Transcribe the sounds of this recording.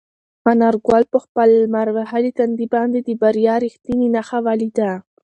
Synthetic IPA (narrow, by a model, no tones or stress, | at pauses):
anɑɾɡwalpəxpəlmaɾwahalit̪and̪ibɑnd̪ed̪əbaɾjɑɾixt̪ininaxawɑlid̪a